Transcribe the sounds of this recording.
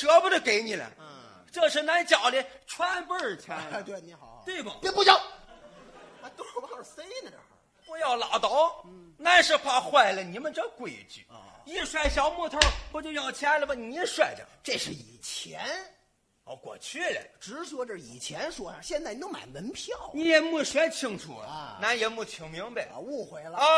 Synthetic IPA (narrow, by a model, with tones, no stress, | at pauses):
ʈ͡ʂɤ˧˥bu˧d̪ə˧ke˧˥ɪni˨˩lə̰˧˦ | ʈ͡ʂɤ˥˧ʂɻ̩˥˩na˧˥nt͡ɕjɑ˨˩ʊli˧˥ʈ͡ʂʰwa˥npə˥˩t͡ɕʰa˧˥t̪we˥˩ɪni˧˥xɑ˨˩˦t̪we˥˩ɪbɐ˩˥˧pu˥˧t͡ɕjɑ˥˧˩ʊ | a˧t̪o˥˧˩fe˥ɪnə˨˩ | pu˧˥jɑ˥˩ʊlɑ˨˩ʊt̪ɑ˧˥ʊ˩na˥˧nʂɻ̩˥˧kʰwa˥˧xwa˥˩ɪlə˨ni˨˥mə˧nʈ͡ʂə˥˧kwe˧˩ɪt͡ɕy̰˧˩i˥˧ʂwa˥˩ɪɕjɑ˨˥ʊmu˥˧t̪ʰə˥pu˧˥t͡ɕjo˥˧ʊjɑ˥˩ʊt͡ɕʰja˥lə˨bə˧˩ni˨˧i˧˥ʂwa˥˩ɪʈ͡ʂə̰˩ʈ͡ʂe˥˧ʂɻ̩˥˩i˨˩t͡ɕʰjɛ˧˥n | ɔ˧˩kwɔ̰˨˩t͡ɕʰy˥˩lɛ̰˩ʈ͡ʂɻ̩˧˥ʂwɔ˥ʈ͡ʂə˥˧˩ḭ˨˩t͡ɕʰjɛ˧˥nʂwɔ˥ə˨˧˩ɕjɛ˥˧nt͡sa˥˩ni˧t̪o˥ma̰˨˩nmə˧˥npʰjɑ˥˩ʊni˧˥jɛ˨˧˩mu˥˩ɕwɛ˧˥ɪt͡ɕʰi˥ŋʈ͡ʂʰṵ˨˩l̰na˧˥njɛ˧˥mu˥˩t͡ɕʰʊ˧˥ŋmi˧˥ŋbe˧u˥˩xwe˧˥ɪl